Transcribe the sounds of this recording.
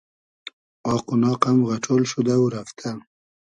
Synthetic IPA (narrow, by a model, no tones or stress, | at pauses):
ɑːqunɑːqamɣaʈ͡ʂʰolʃud̪aɾaft̪ʰa